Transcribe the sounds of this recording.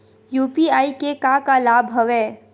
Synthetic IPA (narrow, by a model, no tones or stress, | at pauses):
juːpiaːikekakalaːbʱɦɐʋeː